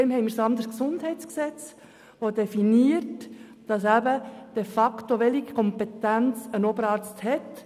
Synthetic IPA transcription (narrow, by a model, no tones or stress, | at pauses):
emɦɛɪmiːɾsɑnd̪əɾsksʊndhɛɪt͡sksɛt͡s | ʋodefiniət | d̥ɑsæbəd̥efɑktoʋɛlikʰɔmpetænt͡sənobəɾɑːɾt͡sthɛt